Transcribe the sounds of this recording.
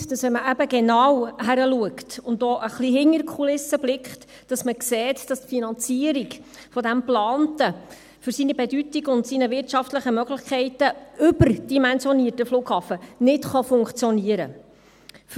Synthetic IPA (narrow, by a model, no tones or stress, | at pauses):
d̥ɑsʋɛnməʔæbəɡenɑwɦæɾəluəktʊndoːʔəχliɦɪŋəɾkʰulɪsːəblɪkχt | d̥ɑsməkseːtd̥ɑstfinɑnt͡siəɾiɡfɔdæmplɑːntə | fʏɾsinəbedytiɡʊntsinəvɪrtʃɑftləχəmœɡləχkʰɛɪtəʔʏbərd̥imɛnsjɔniətəfluːkhɑːfənɪtχɑfʊŋkt͡sjɔniəɾə̰